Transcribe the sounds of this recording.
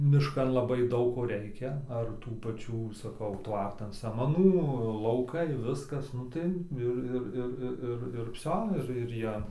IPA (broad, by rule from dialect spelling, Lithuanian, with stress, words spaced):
mʲɪʃˈkɐn lˠɐˈbɐɪ ˈdɐʊk ˈkoː ˈrʲɛɪkʲɛ ɐr ˈtuː pɐˈt͡ʃʲuː sɐˈkɐʊ ˈtʋɐrtɐn sɐmɐˈnuː lˠɐʊˈkɐɪ ˈʋʲɪskɐs ˈnʊ tɐɪ ˈɪr ˈɪr ˈɪr ˈɪr ˈɪr ˈɪr ˈʋʲsʲoː ˈɪr ɪr ˈjiɛ